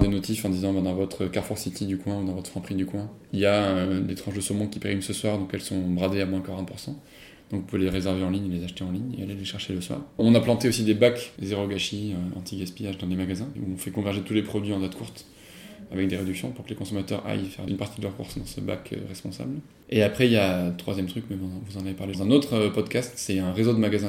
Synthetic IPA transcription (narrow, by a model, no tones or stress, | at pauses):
d̪enɔt̪ifɑ̃d̪izɑ̃bɛ̃d̪ɑ̃vɔt̪χəkaʁfuʁsit̪id̪ykwɛ̃ud̪ɑ̃vɔt̪χfɑ̃pχid̪ykwɛ̃ | iljaød̪et̪χɑ̃ʒd̪əsomɑ̃kʲipeʁimsəswaʁd̪ɔ̃kɛlsɔ̃bʁad̪eamwɛ̃kaʁɛ̃t̪puʁsɑ̃ | d̪̥ɔ̃kɔ̃pøleʁezɛʁveɑ̃liɲelezaʃt̪eɑ̃liɲḛaleleʃɛʁʃeləswa̰ʁɔ̃naplɑ̃t̪eosid̪ebakzeʁoɡaʃiøɑ̰̃t̪ʰiɡʲaspijaʒd̪ɑ̃lemaɡazɛ̃ṵɔ̃fɛkɔ̃vɛʁʒet̪ulepχɔd̪ɥiɑ̃d̪at̪kʰuʁt̪ | avɛk̚d̪eʁed̪yksjɔ̃puʁkəlekɔ̃sɔmat̪œ̰ʁa̰jfɛ̰ʁynpaʁt̪id̪əlœʁkṵʁsd̪ɑ̃sə̰ba̰kʰø̰ʁɛspɔ̃sa̰bl | eapχɛijat̪χwa̰zjɛmt̪χykmɛvuzɑ̃navepaʁlezɛ̃not̪χəpɔd̪kast̪sɛɛ̃ʁezod̪əmaɡazɛ̃